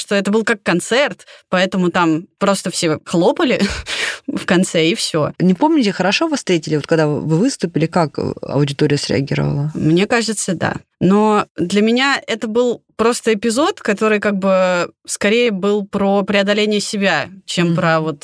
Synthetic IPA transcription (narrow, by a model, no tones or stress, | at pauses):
ʂt̪o̞ɛt̪əbɨlˠkɐkːɐnt̪sɛrt̪pɐɛt̪əmʊt̪ampɾo̞st̪əfsʲe̞xlˠo̞pəlʲɪ | fkɐnt̪sɛifsʲonʲɪpo̞mnʲɪtʲɪxəɾɐʂovɐst̪ɾʲetʲɪlʲɪvot̪̚kaɡd̪a̰vɨvɨst̪ʊpʲɪlʲɪkakɐ̰ʊdʲɪt̪oɾʲɪjəsɾʲɪ̰ɐ̰ɡʲiɾə̰və̰lˠəmnʲe̞kaʐɨt̪səd̪a̰nod̪lʲəmʲɪnʲaɛt̪əbɨlˠpɾo̞st̪əɪpʲɪzo̞t̪kɐt̪o̞ɾɨjkaɡ̚bɨskɐɾʲejəbɨlˠpɾopɾʲɪɐd̪ɐlʲenʲɪjəsʲɪbʲat͡ɕempɾɐvo̞t̪